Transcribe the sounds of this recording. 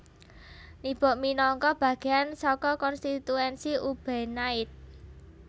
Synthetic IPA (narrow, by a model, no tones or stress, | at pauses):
nib̥ɔ̤ʔminɔŋkɔb̥ä̤ɡ̥eansɔkɔkɔnst̪it̪uɛnsiub̥ɛnaɪt̪̚